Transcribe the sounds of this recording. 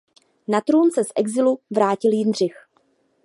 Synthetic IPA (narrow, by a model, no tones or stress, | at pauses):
nat̪ɾuːnsɛsʔɛɡzɪluvɾaːcɪljɪndr̝ɪx